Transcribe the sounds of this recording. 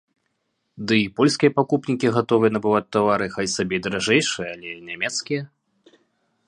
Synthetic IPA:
d̪ɨipɔlʲskʲijɐpakupnʲikʲiɣat̪ɔvɨjɐnɐbɨvat͡s̚ʲt̪ːavaɾɨxajsabʲɛjd̪ɐɾaʐɛjʂɨjɐalʲɛnʲamʲɛt̪skʲijɐ

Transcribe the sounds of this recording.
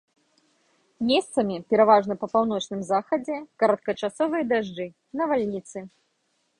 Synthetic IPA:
mʲest̪sɐmʲipʲɛɾavaʐnɐpɐpawn̪ɔt͡ʂnɨmzaxɐd͡zʲɛkɐɾɐt̪̚kɐt͡ʂasɔvɨjɐd̪aʐd͡ʐɨ | nɐvalʲnʲit̪sɨ

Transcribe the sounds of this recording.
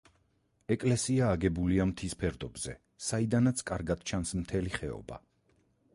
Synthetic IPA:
ɛkʼlɛsiaːɡɛbuliamt̪ʰispʰɛɾd̪ɔbz̥ɛ | said̪anat̪sʰkʼaɾɡad̪̥̚t͡ʃʰansmt̪ʰɛliχɛɔ̰ba̰

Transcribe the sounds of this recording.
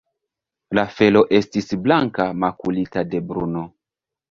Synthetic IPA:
lafe̞lo̞ʔe̞stisblaŋkamakulitade̞bɾuno̞

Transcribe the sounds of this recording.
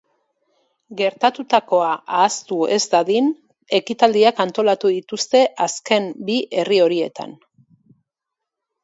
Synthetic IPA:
ɡe̞ɾt̪at̪ut̪ako̞aʔaːst̪ue̞zd̪aðin | e̞kit̪ald̪iakant̪o̞lat̪uðit̪ust̪e̞ʔaske̞mbiʔe̞rio̞ɾie̞t̪a̰n

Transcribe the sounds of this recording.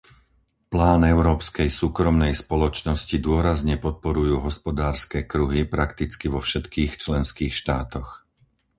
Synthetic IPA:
plaːnɛʊɾɔːpskɛjsuːkɾɔmnɛjspɔlɔt͡ʃnɔscid̪ʊɔɾazɲɛpɔt̪̚pɔɾujuːɦɔspɔd̪aːɾskɛːkɾuɦipɾakt̪it͡skiʋɔfʃɛt̪kiːxt͡ʃlɛnskiːxʃt̪aːt̪ɔx

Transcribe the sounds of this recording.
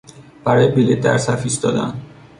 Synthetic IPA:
b̥æɾɒːjebilet̪̚d̪æ̰ɾsæfist̪ɒ̰ːd̪æ̰n

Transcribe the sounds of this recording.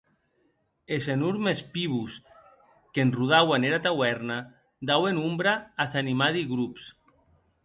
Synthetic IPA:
esenuɾmespiβus | kenruð̞awaneɾat̪awɛɾna | d̪awenumbɾaːsanimaðiɣɾups

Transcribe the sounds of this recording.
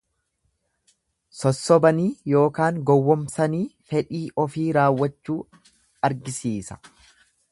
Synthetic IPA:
sɔsːɔbɐniːjo̞ːkaːŋɡɔwːɔmsɐniːfɛᶑiːʔɔfiːɾaːwːɐt͡ʃːuː | ɐɾɡɪsiːsɐ̥

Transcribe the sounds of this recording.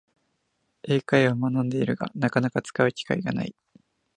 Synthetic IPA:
e̞ːkaiβamanãnd̪e̞iɾɯ̟ɡa̰nakanakat͡sɨ̥kaɯ̟kʲi̥ka̰iɡana̰i

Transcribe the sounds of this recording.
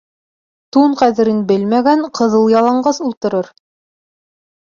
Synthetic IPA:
t̪uɴqæðɘ̆ɾɘnbɘlmæɡæɴqɤ̆ðɤlˠjɑlˠɑɴɢɑsulˠt̪ɤ̆ɾɤɾ

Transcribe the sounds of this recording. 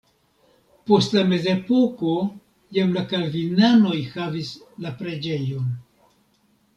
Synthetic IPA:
po̞stlame̞ze̞po̞ko̞ | jamlakalvinano̞jxavis | lapɾe̞d͡ʒe̞jo̞n

